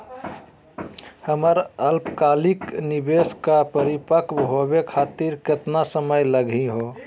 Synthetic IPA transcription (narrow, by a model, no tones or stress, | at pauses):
həməɾəlpkaliknibeskapəɾipəkbɦobekʰat̪iɾket̪nasəməjləɡʱĩɦo